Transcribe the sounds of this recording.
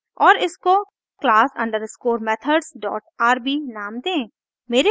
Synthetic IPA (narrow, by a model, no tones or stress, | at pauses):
ɔːɾɪsko | klaːsɐ̰̃ɳɖəɾskoːɾmɛːt̪ʰəɖzɖɔ̰ːʈ̚aːɾbiːnaːmd̪ẽː | meːɾe